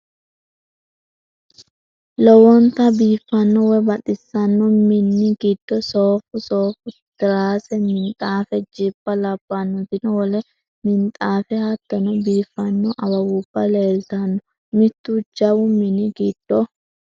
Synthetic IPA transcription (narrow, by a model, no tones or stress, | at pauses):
lɔwɔnt̪ɐbiːfːɐnːɔwɛbɐt̪ʼɪsːɐnːɔmɪnːɪɡɪd̪̥ːɔsoːfʊsoːfʊt̪ɪɾaːsɛmɪnt̪ʼaːfɛd͡ʒɪbːɐlɐbːɐnːɔt̪ɪnɔwɔlɛ | mɪnt̪ʼaːfɛhɐt̪ːɐnɔbiːfːɐnːɔʔɐwɐwʊb̥ːɐleːlt̪ɐnːɔ | mɪt̪ːud͡ʒɐwʊmɪnːɪɡɪd̪̥ːɔ